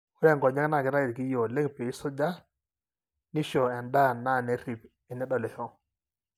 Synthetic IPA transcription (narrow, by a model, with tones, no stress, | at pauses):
u˦ɾɛ˦˨ŋɡɔ˨ɲa˦kna˦˨ki˨ɾa˦i˨ɾki˦jo˨le˦ŋpe˨i˦sɔ˦d͡ʒa˦ | ni˦ʃɔ˨a˨nda˦˨na˦˨nɛ˦ɾi˨p | ɛ˨nɛ˦ɗɔ˨lɛ˨hɔ˦